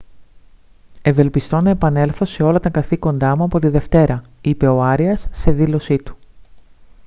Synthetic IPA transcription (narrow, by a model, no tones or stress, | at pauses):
e̞ve̞lpist̪o̞nɐe̞pɐne̞lθo̞se̞o̞lɐt̪ɐkɐθiko̞nd̪ɐmuɐpo̞t̪iðe̞ft̪e̞ɾɐipe̞o̞ɐɾiɐsːe̞ðilo̞sit̪u̥